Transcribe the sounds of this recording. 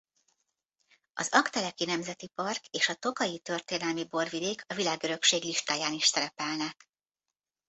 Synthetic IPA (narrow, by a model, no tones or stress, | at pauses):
ɒ̰zɒkt̪ɛlɛkinɛmzɛt̪ipɒrkeːʃɒt̪o̞kɒjit̪ø̞rt̪eːnɛlmibo̞rvid̪eːkʰɒvilaːɡø̞ɾø̞kʃeːɡliʃt̪aːjaːniʃsɛɾɛpɛlnɛ